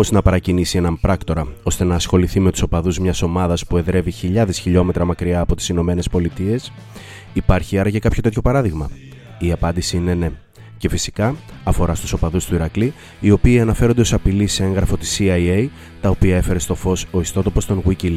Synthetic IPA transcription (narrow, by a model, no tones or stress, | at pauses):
oznɐpɐɾɐcinisie̞nɐmpɾɐkt̪o̞ɾɐo̞st̪e̞nɐːsxo̞liθime̞t̪u̥so̞pɐðuzmɲɐso̞mɐðɐspue̞ðɾe̞viçiʎɐðe̞sçiʎo̞me̞t̪ɾɐmɐkɾiɐːpo̞t̪i̥sino̞me̞ne̞spo̞lit̪ie̞s | ipɐɾçiɐɾɐce̞kɐpço̞t̪e̞t̪ço̞pɐɾɐðiɣmɐ | iɐpɐnd̪isiine̞ne̞ | ce̞fisi̥kɐː | fo̞ɾɐst̪u̥so̞pɐðust̪uiɾɐkli | io̞piːɐnɐfe̞ɾond̪̞o̞sɐpilisee̞ŋɣɾɐfo̞t̪i̥siɐiej | t̪ɐo̞piɐe̞fe̞ɾe̞st̪o̞fo̞so̞ist̪o̞t̪opo̞st̪o̞nɣwicil